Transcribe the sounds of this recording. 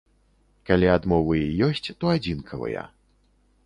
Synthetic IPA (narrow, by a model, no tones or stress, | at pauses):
kalʲiad̪mɔvɨjijɔsʲt͡sʲt̪ɔad͡zʲinkʰɐvɐ̰jɐ̰